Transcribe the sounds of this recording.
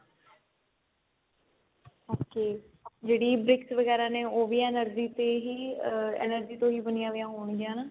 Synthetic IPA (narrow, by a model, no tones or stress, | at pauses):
oːkeː | d͡ʒeːɽiːbɾɪksʋəɡɛːɾãːneːoːʋiːãːnəɾd͡ʒiːt̪eːɦiːɛ̰ːnəɾd͡ʒiːt̪õːɦiːbənɪjãːʋɪjãːɦoːɳ̃iɡɪjãːnaː